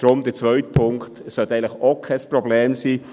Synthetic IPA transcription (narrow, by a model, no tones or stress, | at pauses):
d̥ɾʊmd̥̪ət͡svœʏtpʰʊŋktsœltæɪŋləχokʰɛsprobleːmsiː